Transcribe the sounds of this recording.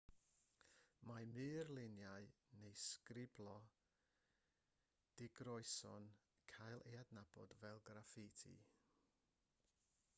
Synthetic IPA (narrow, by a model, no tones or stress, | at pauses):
mamɨːrlˠɪnjaɨnejskrɪblˠɔ | d̥ɪɡrɔɨsɔ̰n | kʰajlˠʔejadnab̥ɔ̰dvɛlˠɡrafɪtʰḭ